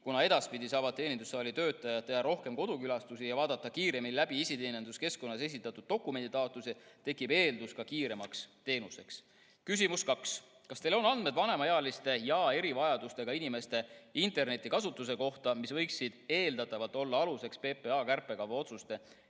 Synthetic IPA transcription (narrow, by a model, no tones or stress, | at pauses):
kunɑe̞d̪̥ɑspid̪isɑːvɑd̪̚t̪ːe̞ːnʲind̪usɑːlit̪ø̞ːt̪ːˑɑjɑt̪ːejɑɾo̞hke̞mko̞d̪̥ukylɑst̪usijɑvɑːd̪ɑt̪ˑːɑkiːɾe̞minilæb̥iisit̪eːnend̪̥uske̞sko̞nːɑse̞sit̪ːˑɑt̪ːˑud̪̥̚ːo̞kːˑume̞nd̪it̪ɑːt̪lusit̪e̞kːˑibe̞ːld̪uskɑkiːɾe̞mɑkst̪e̞ːnuse̞ks | kys̬ʲimuskɑks | kɑst̪e̞lo̞nɑnd̪me̞d̪vɑne̞mɑjeɑlist̪e̞jɑːe̞ɾivɑjɑd̪ust̪e̞ɡ̥ɑinime̞st̪e̞int̪e̞rne̞t̪ʲˑːikɑsut̪ːˑus̬e̞ko̞ht̪ɑmisvɤjksːid̪̥e̞ːld̪̥ɑt̪ːˑɑvɑlt̪ˑo̞lːɑɑluse̞kspe̞ːpe̞ɑːkærpːˑe̞kɑvɑo̞t̪sust̪e̞